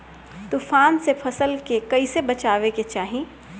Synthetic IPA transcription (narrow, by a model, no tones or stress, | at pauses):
t̪uːfaːnsepʰɐsəlkekɐisebɐt͡ʃaːʋeket͡ʃaːɦĩ